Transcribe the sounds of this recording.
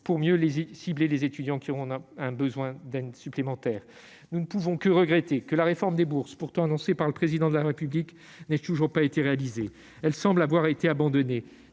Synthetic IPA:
puʁmjølezsiblelezet̪yd̪jɑ̃kʲiɔʁɔ̃ɛ̃bəzwɛ̃d̪ɛd̪syplemɑ̃t̪ɛːʁ | nunəpuvɔ̃kəʁəɡʁɛt̪ekəlaʁefɔʁmd̪ebuʁspuʁt̪ɑ̃anɔ̃sepaʁləpχezid̪ɑ̃d̪əlaʁepyblik | nɛt̪uʒuʁpaet̪eʁealize | ɛlsɑ̃blavwaʁet̪eabɑ̃d̪ɔne

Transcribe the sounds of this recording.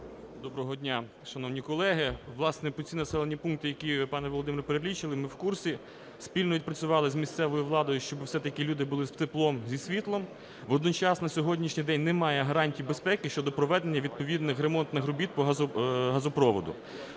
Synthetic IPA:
d̪ɔbɾɔɦɔdʲnʲa | ʃɐnɔwnʲikɔlˠɛɦɪʋlˠɑsnɛpɔt͡sʲsʲinɐsɛlˠenʲipunk̚t̪ɪjɐkʲipɑnɛʋɔlˠɔd̪ɪmʲɪɾpeɾelʲit͡ʃɪlˠɪmɪwkursʲi | spʲilʲnɔʋid̪pɾɐt͡sʲʊʋɑlˠɪzmʲist̪sɛʋɔjiʋlˠɑd̪ɔjʊʃt͡ʃɔbɪwsɛt̪ɐkilʲud̪ɪbʊlˠɪst̪ɪplˠɔmzʲisʲʋʲit̪lˠɔm | ʋɔd̪nɔt͡ʃɑsnɐsʲɔɦɔdʲnʲiʃnʲijd̪ɛnʲnɛmɑjɛɦɐɾɑnʲtʲijbespɛkɪʃt͡ʃɔd̪ɔpɾɔʋɛd̪enʲːɐʋʲid̪̚pɔʋʲid̪nɪxɾemɔnt̪nɪxɾʊbʲit̪̚pɔɦɦɐzɔpɾɔʋɔd̪ʊ̰

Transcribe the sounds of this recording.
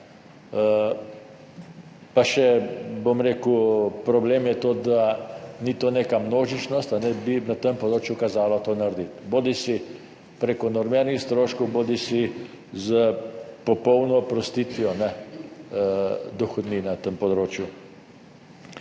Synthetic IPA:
ə | paʃɛbomɾeːkupɾɔbleːmjɛt̪oːd̪anit̪oːneːkamnoːʒit͡ʃnɔst̪anɛbinat̪əmpɔd̪ɾoːt͡ʃjukazaːlɔt̪oːnaɾd̪it̪boːd̪isi | pɾeːkɔnɔɾmeɾnixst̪ɾoːʃkɔwboːd̪isi | zəpɔpɔwnɔpɾɔst̪iːt̪ʋiɔnɛ | d̪ɔxɔd̪niːnat̪əmpɔd̪ɾoːt͡ʃju

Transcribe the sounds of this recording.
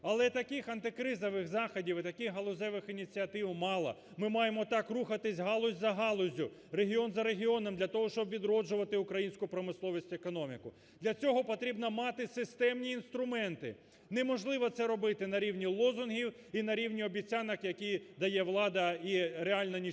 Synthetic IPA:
ɐlˠɛt̪ɐkɪxɐnt̪ɪkɾɪzɐʋɪxzɑxɐdʲiwɪt̪ɐkɪxɦɐlˠʊzʲɛʋɪxinʲit͡sʲiɐt̪ɪwmɑlˠɐ̰ | mɪmɑjemɔt̪ɑkruxɐt̪ɪsʲɦɑlˠɔzʲzɐɦɑlˠɔzʲʊ | reɦʲiɔnzɐɾeɦʲiɔnɔmd̪lʲɐt̪ɔɦɔʃt͡ʃɔbʋʲid̪ɾɔd͡ʒʊʋɐt̪ɪʊkɾɐjinʲsʲkʊpɾɔmɪslˠɔʋʲisʲtʲekɔnɔmʲikʊ | d̪̥lʲɐt͡sʲɔɦɔpɔt̪ɾʲibnɔmɑt̪ɪsɪst̪ɛmnʲiːnst̪ɾʊmɛnt̪ɪ̰ | nɛmɔʒlˠɪʋɔt̪sɛɾɔbɪt̪ɪnɐɾʲiwnʲilˠɔzʊnɦʲiw | inɐɾʲiwnʲiɔbʲit͡sʲɑnɐkjɐkʲijd̪ɐjɛʋlˠɑd̪ɐiɾeɑlʲnɐnʲi

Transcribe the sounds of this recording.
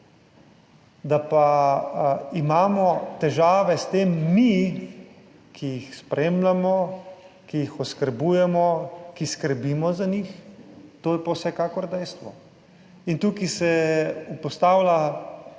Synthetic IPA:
d̪apa | imaːmɔt̪ɛʒaːʋɛst̪eːmːi | kʰijixspɾeːmlamɔ | kijixɔskəɾbuːjɛmɔkiskəɾbiːmɔzanixt̪oːjɛpawsɛkaːkɔɾd̪ɛjst̪ʋɔ | int̪ukisɛupɔst̪aːwla

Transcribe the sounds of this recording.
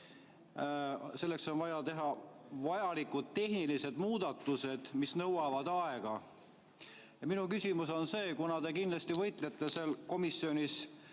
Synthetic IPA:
se̞lːe̞kso̞nvɑjɑt̪e̞ɦɑvɑjɑlikːud̪̥̚t̪e̞ɦnilise̞d̪̥muːd̪̥ɑt̪ːˑuse̞d̪̥misnɤwɑvɑd̪ɑeɡ̥ɑ | jɑminukysʲimuso̞nse̞ːkunɑd̪e̞kind̪lɑst̪ivɤ̞jt̪ˑlet̪ːe̞selko̞misːio̞nʲis

